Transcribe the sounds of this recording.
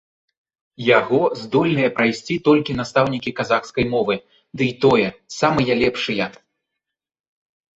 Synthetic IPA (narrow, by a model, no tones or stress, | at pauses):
jaɣɔzd̪ɔlʲnɨjɐpɾajsʲt͡sʲit̪ɔlʲkʲin̪ast̪awnʲikʲikazaxskɐjmɔvɨ | d̪ɨjt̪ɔjɛsamɨjɐlʲɛpʂɨjɐ